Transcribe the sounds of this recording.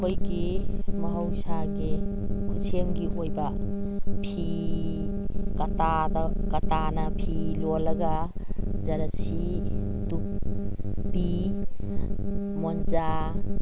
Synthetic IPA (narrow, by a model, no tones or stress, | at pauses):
ojɡemɐɦawsaɡe | kʰuseŋɡiʔojba | pʰi | kɐtad̪akɐtanɐpʰilolɐɡazɐɾasi | tuk̚ | bi | mɔnza